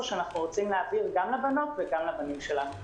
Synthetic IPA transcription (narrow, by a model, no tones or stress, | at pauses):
ʃeanaχnuʁot͡simleːviʁɡamlebano̞tveɡamlebanimʃelanu